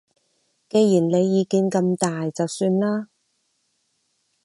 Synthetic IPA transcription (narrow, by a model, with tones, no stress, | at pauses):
ke˨˧jjiː˨˩nle˨˧jːiː˨˧kiː˨˧nkɐ˧mt̪aː˨jt͡sɐ˨wsyː˧nlaː˥